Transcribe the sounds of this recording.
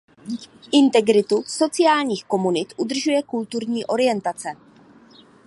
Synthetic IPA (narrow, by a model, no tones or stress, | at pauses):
ʔɪnt̪ɛɡɾɪt̪uso̞t͡sɪaːlɲiːxko̞munɪt̪ʔud̪r̩ʒujɛkult̪uɾɲiːʔo̞ɾɪjɛnt̪at͡sɛ